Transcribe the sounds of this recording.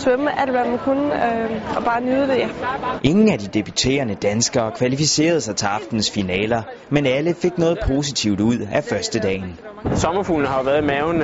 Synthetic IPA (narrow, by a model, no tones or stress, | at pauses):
sʋøməʔæl̰d̥ʋæmænkʰunəɒ̽b̥ɑ̈ːnyðˠəd̥e̝jæʔe̝ŋn̩æd̥id̥e̝b̥yt͡sʰe̝̰ːɐnəd̥ænsɡ̥ɐːkʰʋælifise̝̰ːɐð̞̩ˠsɑ̈ɪt͡sʰe̝ɑ̈fd̥n̩sfinɛ̰ːlɐ | menæləfe̝ɡ̥nɔ̽ːð̞̩ˠpʰo̝ːsit͡sʰiʊ̰d̥uð̞̰ˠæfɶɐsd̥əd̥ɛ̰ːn | sɒ̽mɐfuːln̩əhɑ̈ʋæːɐðˠmɛʊn